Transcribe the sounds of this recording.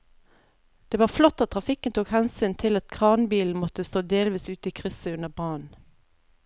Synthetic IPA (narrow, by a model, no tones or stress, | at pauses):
d̪̥eːʋɑːʁflɔt̪ːɑt̪ʰʁɑfɪkənt̪ʰuːkhɛnsyːnt̪ʰɪlɑt̪kʰʁɑːʁnbiːln̩mɔt̪əst̪oːd̪eːlʋiːsʉːt̪iːkʰʁʏsəʉnəʁbʁɑːn